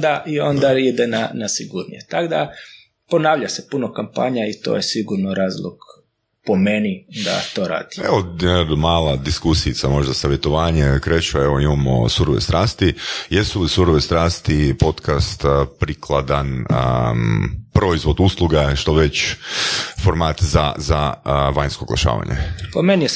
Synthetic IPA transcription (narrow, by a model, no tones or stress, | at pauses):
d̪aʔio̞nd̪aid̪enanasiɡuɾnḭjet̪aɡd̪a | po̞naːʋʎasepunokampa̰ːɲait̪o̞̰jesiɡuɾnoɾaːzlˠo̰ɡ̥ | pomenid̪a̰t̪o̞ɾa̰ːd̪̥i̥eʋojemaːlˠad̪iskusiit̪samo̞ʒd̪asaʋjet̪oʋaːɲekɾet͡ʃueʋoimamo̰suɾoʋḛst̪ɾaːst̪ijesulisuɾoʋest̪ɾaːst̪ipo̞t̪kast̪pɾikʰlˠad̪an | pɾo̞izʋod̪uslˠuɡaʃt̪oʋet͡ɕ | fo̞ɾmaːt̪za̰zaʋaɲskoɡlˠa̰ʃa̰ːʋa̰ɲʔḛpomeni